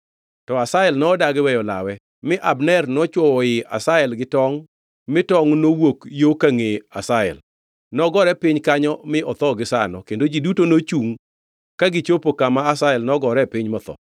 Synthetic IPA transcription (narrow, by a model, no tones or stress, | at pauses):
tɔasaɛlnɔːdaɡɪwɛjɔla̰wɛ | mɪʔabnɛrnɔt͡ʃwɔwɔɪa̰saɛlɡɪtɔŋ | mɪtɔŋnowokjokaŋeasaɛ̰l | nɔɡɔɾɛpɪɲkaɲɔmɪɔt̪ɔɡɪsanɔ̰kendod͡ʒidutonot͡ʃuŋ | kaɡɪt͡ʃopokamaasaɛlnɔɡɔɾɛpɪɲmɔt̪ɔ̰